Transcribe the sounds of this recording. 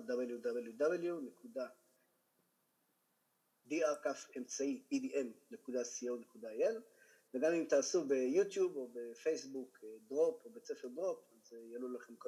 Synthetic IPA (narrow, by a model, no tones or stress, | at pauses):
d̪abeljud̪abeljud̪abeljune̞kuda | d̪iaʁkafe̞mt͡saiidiʔemne̞kud̪asiownekud̪aajel | veɡamimt̪aːsube̞jut̪jubo̞be̞fejsbukd̪ʁopobe̞t͡sefeʁd̪ʁo̞pazejalulaχe̞mko